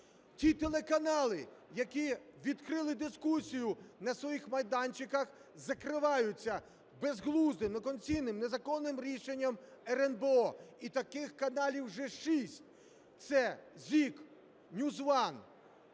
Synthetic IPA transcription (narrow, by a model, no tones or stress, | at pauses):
tʲit̪elˠekɐnɑlˠɪjɐkʲiʋʲid̪kɾɪlˠɪd̪ɪskusʲijʊnɐsʋɔjixmɐjd̪ɑnʲt͡ʃɪkɐx | zɐkɾɪʋɑjʊt͡sʲːɐ | bezɦlˠuznɪmnɔkɔnʲt͡sʲijnɪmnezɐkɔnːɪmɾʲiʃenʲːɐmɛɾɛnbeɔit̪ɐkɪxkɐnɑlʲiwʒɛʃisʲtʲ | t̪sɛzʲik | nʲuzʋɑn